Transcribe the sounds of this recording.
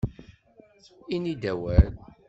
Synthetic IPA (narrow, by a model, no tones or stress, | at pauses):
inid̪æwæɾn